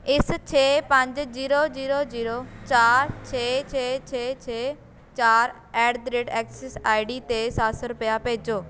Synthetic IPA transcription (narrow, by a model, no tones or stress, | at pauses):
ɪst͡ʃʰeːpə̃ɲd͡ʒziːɾoːziːɾoːziːɾoːt͡ʃaːɾt͡ʃʰeːt͡ʃʰeːt͡ʃʰeːt͡ʃʰeː | t͡ʃaːɾ | ɛːɖd̪ɾeːʈɛːksɛsaːiɖiːt̪eːsasɾʊpjaːpeːd͡ʒoː